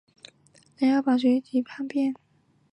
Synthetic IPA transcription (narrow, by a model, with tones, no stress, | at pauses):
na˨˩jɑ˥˩ʊpa˨˩ɕwe˧˥ɪt͡ɕʰi˨˩pʰa˥˧ŋpjɛ˥˩n